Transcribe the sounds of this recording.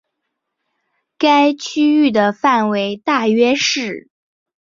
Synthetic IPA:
ka˥ɪt͡ɕʰy˥y˥˩d̪ə˩fa˥˩nwe˧˥ɪt̪a˥˩ɥɛ˥ʂɻ̩˥˩

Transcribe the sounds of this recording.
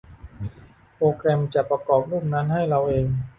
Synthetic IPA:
pɾoː˧kɾɛ˧mt͡ɕa˨˩pɾa˧kɔː˨˩p̚nu˥˩mna˦˥nɦa˥˩jɾa˧wʔeː˧ŋ

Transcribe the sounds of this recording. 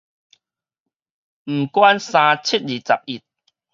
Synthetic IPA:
m̩˨˩kwa˦nsã˧t͡ɕʰi˦˩t̚li˨˩t͡sa̰˨p̚i˨˩t̚

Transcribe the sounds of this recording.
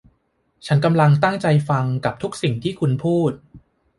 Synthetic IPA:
t͡ɕʰa˦˥nka˧mla˧ŋt̪a˥˩ŋt͡ɕa˧jfa˧ŋka˨˩p̚t̪ʰu˦˥k̚si˨˩ŋt̪ʰiː˥˩kʰu˧npʰuː˥˩t̪̚

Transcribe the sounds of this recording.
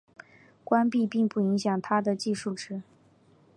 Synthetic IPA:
kwa˥npi˥˧pi˥˧ŋpu˥˩i˧˥ŋɕjɑ˨˩ŋt̪ʰa˥d̪ə˨t͡ɕi˥˧ʂu˥˩ʈ͡ʂɻ̩˥

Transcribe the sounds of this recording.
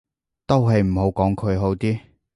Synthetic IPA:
t̪o˥wɦɐ˨jm̩˨˩ɦo˨˥wkɔː˨˥ŋkʰɵ˨˧ɥɦo˨˥wt̪iː˥

